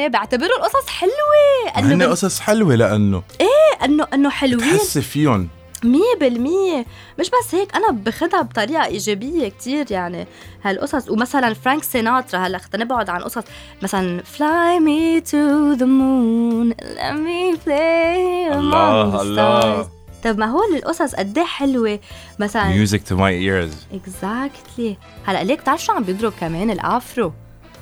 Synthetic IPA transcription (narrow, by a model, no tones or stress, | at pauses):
ebɪʕt̪abɪɾulʔʊsˤɑsˤħɪlweʔɪnːɪnːeʔʊsˤɑsˤħɪlwelaʔa̰nːo̰ʔeːʔɪnːoʔɪnːoħɪlwiːnsːefijon | miːbɪlmije | mɪʃbasːheːkʔanabɪxɪd̪abt̪ˤɑɾiːʔɑʔiːʒebɪjːek̚t̪iːɾjaʕnḭ | halʔʊ̰sˤɑsˤwmasalanfɾaŋksenaːt̪ɾˤaɦalːaʔxt̪anɪbʕʊd̪ʕanʔʊsˤɑsˤ | masalanflajmit̪uðʊmun̰lʔa̰miːnfle | malːa | t̪ˤɑbmaɦoːlɪlʔʊsˤɑsˤʔa̰d̪ːeːħɪlwe | masalamjuːzɪk̚t̪ʰumajʔiɹzʔɪɡzakt̪li | halːaʔleːk̚t̪ʕaʃuʕambjɪd̪ɾʊkameːnɪlʔaːfɾo